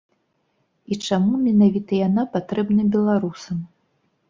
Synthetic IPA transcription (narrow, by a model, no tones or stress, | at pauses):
it͡ʂamumʲɛnavʲit̪ɐjanapat̪ɾɛbnɐbʲɛlˠaɾusɐm